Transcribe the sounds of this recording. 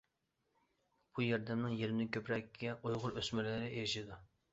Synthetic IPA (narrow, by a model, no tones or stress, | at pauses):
b̥ujɑɾd̪ɛmnɪŋjeɾɪnɪkʲʰøpɾɛkʲːɛʔojʁʊɾøsmɪlɪɾɪʔeɾɪʃid̪u